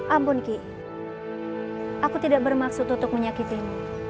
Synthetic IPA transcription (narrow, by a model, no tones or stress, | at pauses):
ʔampʊnki | ʔakut̪idaʔbərmaksʊt̪unt̪ʊk̚məɲakit̪iɲa